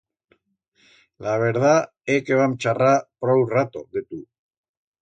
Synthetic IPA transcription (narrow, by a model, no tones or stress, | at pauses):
laβeɾða | ekeβamt͡ʃarapɾowrat̪oðit̪u